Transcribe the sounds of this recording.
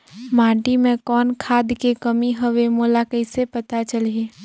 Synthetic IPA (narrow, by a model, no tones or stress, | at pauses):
mãːʈimẽkɔːnkʰaːd̪kekəmiɦəʋemoːlakəɪsepɐt̪at͡ʃəle